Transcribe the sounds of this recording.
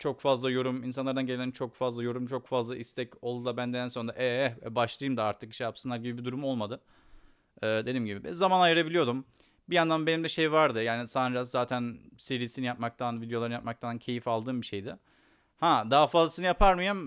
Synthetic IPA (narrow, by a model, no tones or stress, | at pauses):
t͡ʃʰo̞kfazlˠajo̞ɾuminsanlˠaɾd̪anɟeelʲænt͡ʃʰo̞kfazlˠajo̞ɾumt͡ʃʰo̞kfazlˠaʔist̪ʰɛco̞lˠd̪ud̪ˠabænd̪eænso̞nɾaʔɛɛbaʃlˠajɯmd̪aaɾt̪ʰɯk̚i̥ʃɛjapsɯnlˠaɾɟibibid̪uɾumo̞lˠmad̪ɯ | d̪ed̪imɟibibɛ̰zamanajɯɾabilʲijo̞d̪um | bijand̪anbe̞nimd̪ɛʃe̞jvaɾd̪ɯjaːnisanɾazzaːt̪ʰænse̞ɾiːsinijap̚mak̚t̪ʰanvid̪eo̞lˠaɾɯnjap̚mak̚t̪ʰancʰe̞jifalˠd̪ɯːmbiʃe̞jd̪ɪ | had̪aɦfazlˠasɯnɯjapʰaɾmɯjam